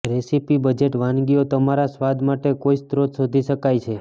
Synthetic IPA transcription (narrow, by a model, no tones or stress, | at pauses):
ɾesipibəd͡ʒeʈʋãnɡiot̪əmaɾasʋad̪maʈekoist̪ɾot̪sod̪ʱiʃəkajt͡ʃʰe